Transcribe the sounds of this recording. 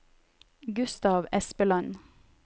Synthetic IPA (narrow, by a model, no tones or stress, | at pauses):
ɡʉst̪ɑːʋɛspəlɑn